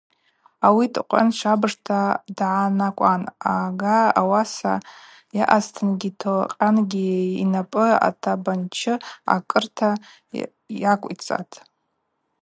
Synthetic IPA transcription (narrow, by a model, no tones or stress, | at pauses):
awitʼqʷʼa̰nʂabɨʐtʰadʕanakʷʼanaɡaawasa̰ | jaʔaztʰɨnɡʲitʰoqʲʼanɡʲiːnapʼɨa̰tʰabant͡ʃʰɪa̰kʼɨrtʰa | jakʷʼḭt͡sʼa̰tʰʼ